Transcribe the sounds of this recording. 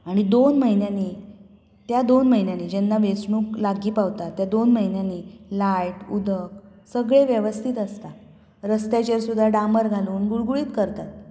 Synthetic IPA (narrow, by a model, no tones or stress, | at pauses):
aɽ̃id̪onməɦinjani | t̪jad̪onməɦinjanid͡ʑɛnːaʋet͡sɳũːklaɡiːpaʋt̪at̪ːjad̪onməɦinjanilajʈud̪ʱək | səɡɭeʋjəʋəst̪ʰiːt̪əst̪a | ɾəst̪jat͡ɕeɾsud̪ʱːaɖaməɾɡʱaluːnɡuɭɡuɭiːt̪kəɾt̪at̪